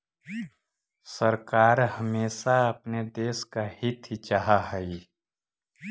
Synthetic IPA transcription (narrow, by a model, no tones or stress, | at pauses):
səɾkaːɾhəmeːsaɐpned̪eːskahit̪ʰit͡ʃaɦaɦɛi